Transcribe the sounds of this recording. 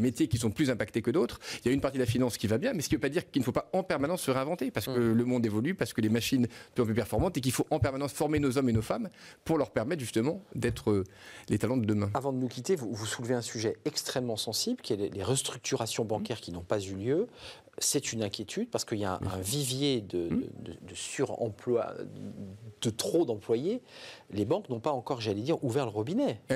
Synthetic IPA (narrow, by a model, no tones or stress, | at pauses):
met̪jekʲisɔ̃plyzɛ̃pakt̪ekəd̪ot̪χiljaynpaʁt̪id̪əlafinɑ̃skʲivabjɛ̃mɛsə̥kʲivøpad̪iʁkilnəfopaɑ̃pɛʁmanɑ̃sːəʁeɛ̃vɑ̃t̪epaʁsəkkələmɔ̃d̪evɔlypaʁsə̥kəlemaʃinpøɔ̃pypɛʁfɔʁmɑ̃t̪ek̬ilfoʔɑ̃pɛʁmanɑ̃sfɔʁmenozɔmenofampuʁlœʁpɛʁmɛt̪χʒyst̪əmɑ̃d̪ɛt̪χəlet̪alɑ̃d̪əd̪əmɛ̃avɑ̃d̪ənukʲit̪evuvusulveɛ̃syʒɛɛkst̪χɛmːɑ̃sɑ̃sibləkʲiɛleleʁəst̪χyk̚t̪ʰyʁasjɔ̃bɑ̃kʲɛʁkʲinɔ̃pazyljø | sɛt̪ynɛ̃kʲjet̪ʰyd̪̚paʁsə̥kəiljaɛ̰̃ɛ̰̃vivjed̪əə̰d̪ə̰d̪əsyʁɑ̰̃plwa̰ | d̪̥ət̪χod̪ɑ̃plwajelebɑ̃knɔ̃paɑ̃kɔʁʒalɛd̪iʁuvɛʁləʁubinɛ